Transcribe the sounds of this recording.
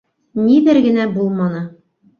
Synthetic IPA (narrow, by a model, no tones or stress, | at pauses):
nidɘɾɡɘ̆næbulˠmɑnɤ